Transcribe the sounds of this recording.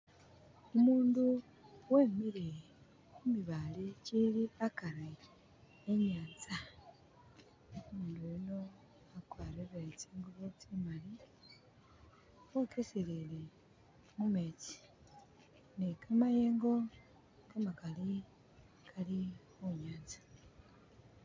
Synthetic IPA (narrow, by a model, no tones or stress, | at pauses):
omuːndu | weːmiɾe | kumiβaliciliakaɾeː | ɲaːnt͡sa | omuːndujino | akwaːɾeβet͡seːŋɡuβot͡simali | wokesilile | mumeci̥ | nekʰamajeːŋɡo̞ | kamakali | kʰali | oɲaːnzḁ